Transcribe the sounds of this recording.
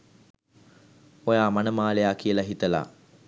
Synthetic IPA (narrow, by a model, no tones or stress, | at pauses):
ojaːmanəmaːlejaːkiəlɐɦit̪əla̰